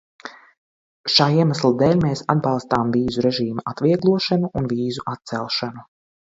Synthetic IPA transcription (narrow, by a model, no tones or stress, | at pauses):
ʃaːiɛmaslˠad̪ɛːlʲmeːsa̰d̪̚bɑlˠst̪aːmviːzuɾɛʒiːmaʔat̪viɛɡlˠuɔʃanuʔunviːzuʔat̪̚sɛlˠʃanu